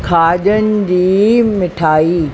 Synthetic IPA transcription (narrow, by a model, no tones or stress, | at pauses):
kʰaːʄənɪ̆d͡ʑiːmɪʈʰaːiː